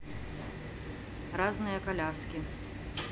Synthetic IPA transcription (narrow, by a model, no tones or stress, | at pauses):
raznɨjɐkalʲaskʲi